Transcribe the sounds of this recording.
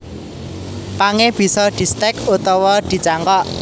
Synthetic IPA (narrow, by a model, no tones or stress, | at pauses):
paŋeb̥i̤sɔd̪̥i̤st̪ɛkut̪ɔwɔd̪̥i̤t͡ʃaŋkɔʔ